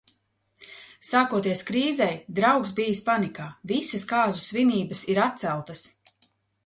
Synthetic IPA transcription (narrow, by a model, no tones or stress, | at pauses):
saːkuɔt̪̬iɛskɾiːzɛjd̪ɾawksbijispanikaːvisɐskaːzusviniːbəsiɾat̪̚t̪sælˠt̪ɐs